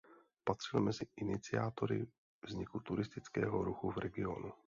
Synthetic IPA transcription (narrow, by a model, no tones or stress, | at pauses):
pat̪r̝̥ɪlmɛzɪʔɪnɪt͡sɪaːt̪oɾɪ̰ | vzɲɪkut̪uɾɪst̪ɪt͡skɛ̰ːɦoɾuxuvɾɛɡɪo̞̰nu